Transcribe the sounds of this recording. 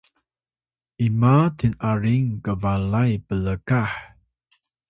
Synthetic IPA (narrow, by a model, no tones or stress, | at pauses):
ʔimatinaɾiŋkəvalajpələkaħ